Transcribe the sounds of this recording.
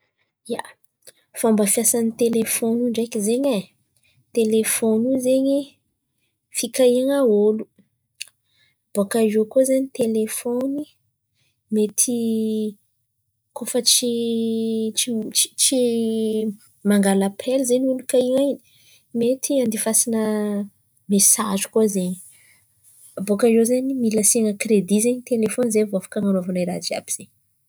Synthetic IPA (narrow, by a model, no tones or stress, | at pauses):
ja̰ | faombəfijasanit̪elefonuɳɖ͡ʐakizeɲe | t̪elefonuzeɲi | fikaiŋaolu̥ | b̥okaʒokozeɲit̪elefoni | met̪ʰi | kofət͡ʃi | t͡ʃii̥t͡ʃi | maŋɡalapʰelzenunikaiŋa | met̪ʰiand̪ifasinə | mesazi̥kozeɲ | bokajozenimilasiŋəkred̪izeɲit̪elefonizevoafḁkaŋanavanajɾa̰d͡ʒia̰b̥iz̥eɲ